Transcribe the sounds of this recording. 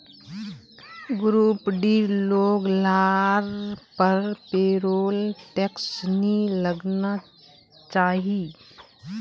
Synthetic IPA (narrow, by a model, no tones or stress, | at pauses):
ɡɾuːpɖiːloːɡlaːɾpəɾpeːɾoːlʈeksniləɡna | t͡ʃaːɦiː